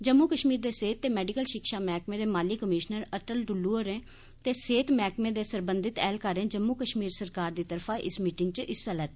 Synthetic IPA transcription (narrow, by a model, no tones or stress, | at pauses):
d͡ʒəmːuːkəʃmiːɾd̪eːseːt̪ːeːmɛːɖɪkəlʃɪkʃaːmɛːkmẽːd̪eːmaːliːkəmɪːʃnəɾəʈəlɖʊluːəɾẽː | t̪eːseːt̪mɛːkmẽːd̪eːsəɾbənd̪ɪt̪ɛːlkəɾẽːd͡ʒəmːuːkəʃmiːɾsəɾkaːɾd̪iːt̪əɾpʰaːʔɪ̰smiːʈɪŋɡ̚t͡ʃʔɪsəlɛːt̪ː